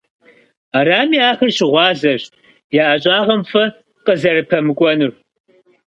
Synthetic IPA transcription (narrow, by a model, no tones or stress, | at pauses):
aɾaːmiːaːxɐrɕɪʁʷɑːzɐɕ | jaːʔɐɕʼɑːʁɐmfɐ | qəzɐɾɨpʰɐmɨkʷʼɔnɨr